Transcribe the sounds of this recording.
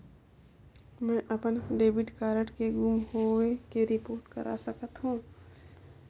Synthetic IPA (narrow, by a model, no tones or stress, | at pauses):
mɛ̃ːʔɐpənɖeːbɪʈkaːɾəʈkeɡuːmɦowekeɾɪpoːɾʈkə̰ɾʔa̰səkət̪ɦũː